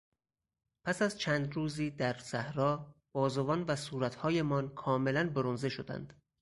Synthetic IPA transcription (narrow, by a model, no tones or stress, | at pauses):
pʰæsæzt͡ʃʰæːnd̪ɾuːziːd̪æɾsæhɾɒːb̥ɒːzovɒːnvæsuːɾæt̪ʰhɒːje̞mɒːnkʰɒːme̞lænboɾonzeʃo̞d̪æ̰nd̪̥